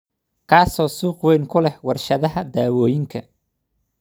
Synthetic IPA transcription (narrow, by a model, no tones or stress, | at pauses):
kʰaːsɔːsuːqwɛjŋkʰʊlɛhwɑrʃɐðɐɦɐd̪aːwɔːjɪŋkʰɐ